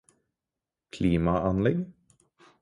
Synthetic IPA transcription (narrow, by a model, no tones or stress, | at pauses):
kʰliːmaʔanlɛɡ